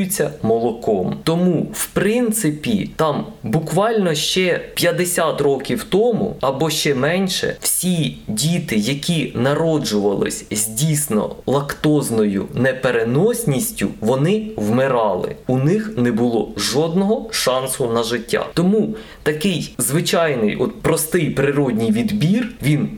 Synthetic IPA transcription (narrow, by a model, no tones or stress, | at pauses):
t͡sʲːɐmɔlˠɔkɔmt̪ɔmuwpɾɪnt̪sɪpʲḭt̪ɑmbʊkʋɑlʲnɔʃt͡ʃɛpʲjɐd̪esʲat̪rɔkʲiwt̪ɔmṵɐbɔʃt͡ʃɛmɛnʲʃɛ̰wsʲidʲit̪ɪjɐkʲinɐɾɔd͡ʒʊʋɐlˠɪ̰sʲzʲdʲijsʲnɔ̰lˠɐkt̪ɔznɔjʊ̰nepeɾenɔsʲnʲisʲtʲʊ̰ʋɔnɪwmɪɾɑlˠɪ̰unɪxnɛbʊlˠɔʒɔd̪nɔɦɔʃɑnsʊnɐʒɪtʲːa̰t̪ɔmu | t̪ɐkɪjzʋɪt͡ʃɑjnɪ̰jʔɔ̰t̪̚pɾɔst̪ɪjpɾɪɾɔdʲnʲijʋʲid̪bʲirʋʲin